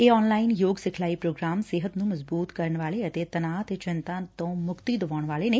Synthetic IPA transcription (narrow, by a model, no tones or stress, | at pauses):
eːɔːnlaːɪnjoːɡsɪkʰlaːiːpɾoːɡɾaːmsɪɦət̪nũːməzbuːt̪kəɾəɳʋaːleət̪eːt̪ənaːt̪eːt͡ʃɪnt̪ãːt̪õːmʊkt̪iːd̪əʋaːɳʋaːleːneː